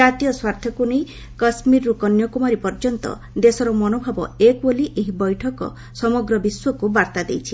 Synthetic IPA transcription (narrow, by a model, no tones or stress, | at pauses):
d͡ʒat̪ijɔswaɾt̪ʰjɔkunej | kɔsmiɾːukɔnjɔkumaɾipɔɾd͡ʒɔnt̪ɔ̰ | d̪esɔɾɔmɔnobʱabɔ̰ekboliʔeɦibɔjʈʰɔkɔ̰ | sɔmɔɡɾɔbiswɔkubaɾt̪ad̪ejt͡ʃʰi